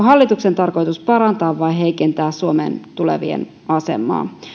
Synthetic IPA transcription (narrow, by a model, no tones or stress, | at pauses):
ɦɑlːit̪ukse̞nt̪ɑrko̞jt̪uspɑɾɑnt̪ɑːʋʋɑiɦe̞jke̞nt̪æːssuomḛnt̪ule̞̰ʋḭḛn | ɑse̞̰mːˑɑ̰ː